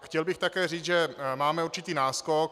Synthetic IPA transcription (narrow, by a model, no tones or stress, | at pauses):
xcɛlbɪxt̪akɛːriːd͡zʒɛmaːmɛuɾt͡ʃɪt̪iːnaːskok̚